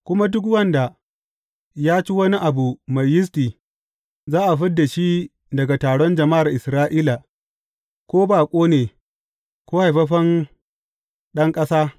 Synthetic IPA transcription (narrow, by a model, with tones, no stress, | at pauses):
kʷʊ˦ma˦dʊ˦k̬wɐ˦nda˨ | jaː˦t͡ʃi˦wɐ˦ni˦ʔa˨bu˨mɐ˨jːɪ˦s̬tiː˨ | zaː˦ʔa˨ɸɪ˦dːa˨ʃi˦ | dɐ˨ɡa˨taː˨ɽɔ˦nd͡ʒɐ˨ma˦ʔa˨rʔɪ˨sɾaː˦ʔiː˦la˨ | kʷoː˦baː˨kʷʼoː˦neː˨ | kʷoː˦ha˨jɸɐ˦ɸɐ˦ŋ | ɗɐ˦ŋkʼɐ˦saː˦